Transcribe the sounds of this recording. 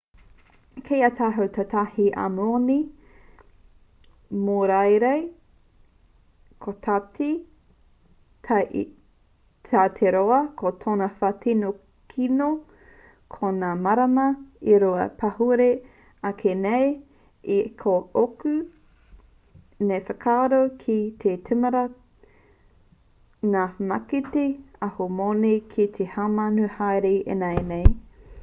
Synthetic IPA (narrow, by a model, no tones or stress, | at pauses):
kʰejɐtʰaɦɐwtʰɐtahiʔa̰moni | moɾajɾej | kʰotʰati | tʰa | tʰatʰeɾoɐkʰotʰonɐfatʰino | kʰino | kʰonaːmɐɾɐmɐiɾoɐ̰pʰɐhuɾe | ɐkʰenej | ikʰookʉ | nejfɐkʰaːɾowkʰit̪ʰetʰʉmɐɾɐ | naːmakiteahomonekʰit̪ʰehamanuhajɾeḛnaenej